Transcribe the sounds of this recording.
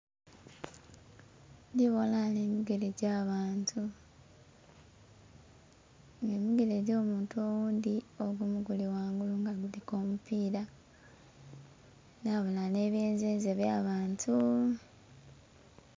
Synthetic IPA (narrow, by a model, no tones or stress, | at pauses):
ndiβo̞lane̞miɡe̞ɾeɟaːβaːntʰu | ŋemiɡe̞ɾeɟo̞ːmuːntuo̞wuːnd̪io̞ɡumuɡuliwaːŋɡuluŋɡaɡuliko̞ːmupiːɾa | naβolane̞βjeːnzeːnzeβjaːβaːntʰu